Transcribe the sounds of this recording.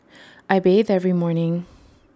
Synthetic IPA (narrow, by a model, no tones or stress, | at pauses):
ʔaɪbeɪdɛvɹimɔɹnɪ̃ŋ